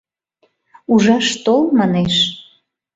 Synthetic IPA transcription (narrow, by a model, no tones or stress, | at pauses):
uʒɑʃt̪olmɑneʃ